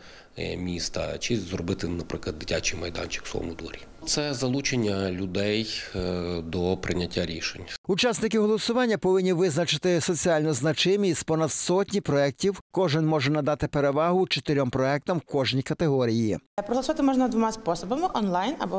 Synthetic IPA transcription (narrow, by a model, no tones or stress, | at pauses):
mʲist̪ɐ̰t͡ʃizrɔbɪt̪ɪnɐpɾɪklˠɐd̪d̪ɪtʲat͡ʃijmɐjd̪ɑ̰nʲt͡ʃɪ̥ksˠɔ̰mʊ̰d̪ṵɾʲi | t̪sɛzɐlˠut͡ʃenʲːɐlʲʊd̪ɛj | d̪ɔpɾʔɪnʲɐtʲʰːaɾʲiʃenʲut͡ʃɑsnɪkɪɦɔlˠɔsʊʋɑnʲːɐpɔʋɪnʲːiʋɪznɐt͡ʃɪt̪ɪsɔt͡sʲiɑlʲnɔznɐt͡ʃɪmʲispɔnɐd̪sɔtʲnʲipɾɔɛk̚tʲiwkɔʒɪnmɔʒɛnɐd̪ɑt̪ɪpeɾeʋɑɦʊt͡ʃɔ̥t̪eɾʲɔmpɾɔɛk̚t̪ɐmkɔʒnʲikɐt̪eɦɔɾʲijipɾɔɦlˠɐsʋat̪ɪmɔʒnɐd̪ʋɔmaspɔsɔbɐmɪʔɔnlˠajnɐ̰bɔ